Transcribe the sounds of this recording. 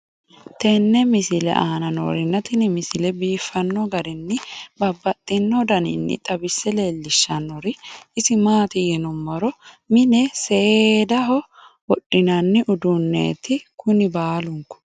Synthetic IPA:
t̪ɛnːɛmɪsɪlɛ̰ʔaːnɐno̰ːɾɪnːɐt̪ɪnɪmɪsɪlɛbiːfːɐnːɔɡɐɾɪnːɪbɐbːɐt̪ʼːɪnːɔd̪ɐnɪ̰nːɪ̰t̪ʼɐbɪsːɛleːlːɪʃːɐnːɔɾɪɪsɪmaːt̪ɪjɛnʊmːɐɾɔ | mɪnɛseed̪ɐɦɔwɔᶑɪnɐnːɪʔʊd̪ʊnːḛːt̪ɪkʊnɪbaːlʊŋkɔ̥

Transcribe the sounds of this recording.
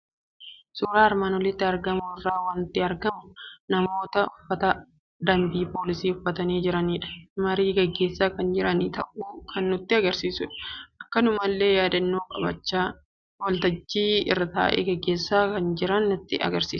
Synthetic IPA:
suːɾaːɐɾmaːnwɔlɪt̪ːɪɐɾɡɐmʊrːaːwɐnt̪ːɪɐɾɡɐmʊnɐmo̞ːt̪ɐʊfːɐt̪ɐ | d̪ɐmbiːpoːlɪsiːʊfːɐt̪ɐniːd͡ʒɪɾɐniːᶑɐ̥mɐɾiːɡɛɡːe̞ːsːaːkɐnd͡ʒɪɾɐniːt̪ɐ̰ʔuːkʰɐnːʊt̪ːɪɐɡɐɾsiːsʊᶑɐ̥ʔɐkːɐnʊmɐlːe̞ːjaːd̪ɐnːoːkʼɐbɐ̰t͡ʃːaː | wɔlt̪ɐd͡ʒːiːɪ̰rːɐt̪a̰ːʔḛːɡɛɡːe̞ːsːaːkɐnd͡ʒɪɾɐnːʊt̪ːɪʔɐ̰ɡɐɾsiːs

